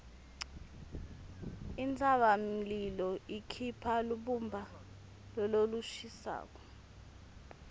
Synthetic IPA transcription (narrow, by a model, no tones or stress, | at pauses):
int͡sʰʼaɓam̩lilɔikʰipʰaluɓumbʱa | lɔloluʃisa̰ːk̬ɔ̥